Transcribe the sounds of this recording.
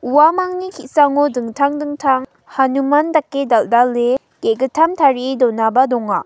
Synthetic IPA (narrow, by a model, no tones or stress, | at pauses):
uwamaŋnikʰisaŋɔdɯŋtʰaŋdɯŋtʰaŋ | hanumandakːedaldalːe | ɡ̥eɡɯtʰamtʰaɾidɔnabadɔŋa